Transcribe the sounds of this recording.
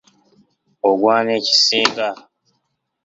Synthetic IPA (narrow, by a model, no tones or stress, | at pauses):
oɡwaːneci̥seːŋɡa